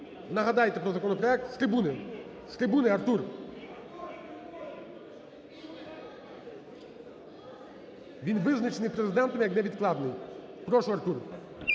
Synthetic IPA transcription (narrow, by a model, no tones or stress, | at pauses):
nɐɦɐd̪ajt̪ɛpɾɔzɐkɔnɔpɾɔɛk̚t̪st̪ɾɪbunɪ | st̪ɾɪbunɪɐrt̪ur | ʋʲinʋɪznɐt͡ʃenɨjpɾezɪd̪ɛnt̪ɐmʲjɐknɛʋʲid̪klˠɑd̪nɪj | pɾɔʂʊɐrt̪ur